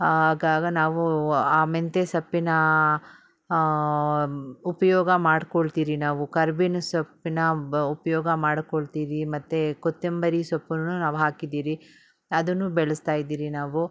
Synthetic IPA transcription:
hɦaːɡaːɡɐnaːʋuaːment̪esɐpːinɐ | upɐjɔːɡɐmaːɖkoɭt̪iːɾinaːʋukɐɾbinsɐpːinɐupɐjɔːɡɐmaːɽkoɭt̪iːɾimɐt̪ːekot̪ːembɐɾisɐpːunːunaːʋuɦaːkid̪iːɾi | ɐd̪ɐnːubɛɭɐst̪aːjid̪iːɾinaːʋu

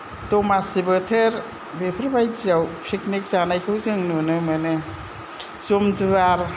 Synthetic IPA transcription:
tɔmasibɯtʰeɾ | bepʰɯɾbajzawpʰiknik̚zanajkʰɯwzɯŋnunɯmɯnɯ | zumdɯaɾ

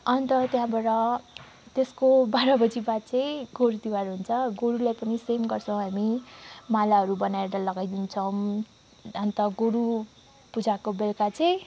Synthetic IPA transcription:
ʌnt̪ʌt̪jãbaʈʌ | t̪eskobaɾʌbʌd͡zibat͡sʌj̃ɡoɾud̪iwaɾɦunt͡sʰʌɡoɾulajpʌnisemɡʌrt͡sʰʌw̃ɦamimalaɦʌɾubʌnaeɾɾʌlʌɡajd̪int͡sʰʌw̃ | ʌnt̪ʌɡoɾu | pud͡zakobelkat͡sʌj̃

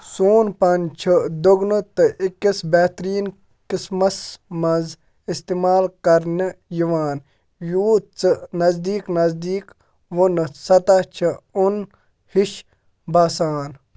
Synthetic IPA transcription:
soːnpɐnt͡ʃʰəd̪oɡnut̪ɨʔikːisbeːt̪ɾiːn | kismɐsmɐz | ist̪iːmaːlkɐɾnijiʋaːn | juːt͡sɨnɐzd̪iːknɐzd̪iːk | ʋunɨsɐt̪at͡ʃʰiun | hiʃ | baːsaːn

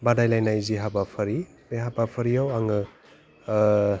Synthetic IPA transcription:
badajlajnajziɦabapʰɯɾi | b̥eɦabapʰɯɾijawaŋɯ

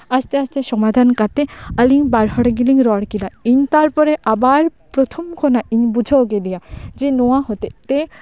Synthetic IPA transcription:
ast̪east̪eʃɔmad̪ʱankat̪eəliŋbaɾɦɔɽeɡiliŋɾɔɽkilaiɲt̪aɾpɔɾeʔabaɾpɾot̪ʰomkʰonaʔiɲbud͡ʑʱawɡed̪ijad͡ʑenoaɦot̪et̪e

